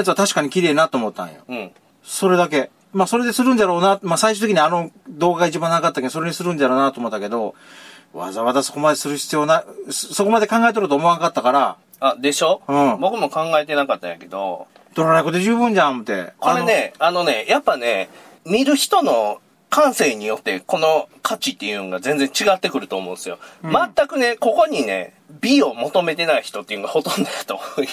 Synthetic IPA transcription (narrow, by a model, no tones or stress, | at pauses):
at͡sɨβat̪aɕi̥kaɲ̟ikʲiɾe̞ːnat̪oːmot̪ːã̰ɰ̃jo̰ɯ̟̃ | so̞ɾe̞d̪ak̬e̞ | maːso̞ɾe̞d̪e̞sɨɾɯ̟̃nd̪aɾo̞ːnamasaiɕɨt̪ekiɲ̟iano̞d̪o̞ːɡaɡait͡ɕibãnakat̪ːakeosoɾeɲisɨɾɯ̟̃nd̪aɾo̞ːnat̪oːmot̪ːake̞d̪o̞ | βa̰zaβat̪aso̞̥ko̞mad̪e̞sɨɾɯ̟çi̥t͡sɨjo̞ːnasso̞ko̞mad̪e̞kãŋɡae̞t̪̬oɾɯ̟t̪oːmo̞anakat̪ːakaɾa | ad̪e̞ɕo̞ɯ̃ɴbo̞kɯ̟mo̞kãŋɡaet̪enakat̪ːa̰ja̰ke̞d̪o̞̰ | d̪̥oɾoɾaikod̪eʑɨːbɯ̃ɲ̟d͡ʑãmɯt̪e̞̰koɾe̞ne̞ano̞ne̞japːane̞ | mʲiɾɯ̟çi̥t̪o̞no̞ | kãɰ̃se̞ɲ̟ijo̞t̪ːe̞ko̞no̞kʰat͡ɕit̪ːe̞jɯ̟oɡazẽ̞nd͡zẽ̞ɲ̟t͡ɕiɡat̪ːe̞kɯ̟ɾɯ̟t̪oːmõ̞ːnsɨjo̞̰mat̪ːakɯ̟ne̞ko̞ko̞ɲ̟ine̞̰ | bʲio̞mo̞t̪o̞me̞t̪e̞naiçi̥t̪o̞t̪ːejɯnoɡaho̞t̪õ̞nd̪ojat̪o̞